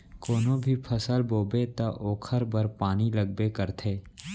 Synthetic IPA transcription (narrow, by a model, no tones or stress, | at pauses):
koːnõbʱipʰəsəlboːbet̪aʔoːkʰəɾbəɾpaːniləɡ̚bekəɾt̪ʰeː